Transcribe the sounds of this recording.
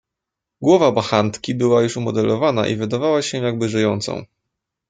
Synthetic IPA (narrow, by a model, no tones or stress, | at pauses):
ɡwɔvabaxant̪kʲibɘwajuʂumɔd̪ɛlʔɔvana̰ʔḭvɘd̪avawaɕɛ̃jaɡ̚bɘʐɘjɔnt̪sɔ̰̃w̃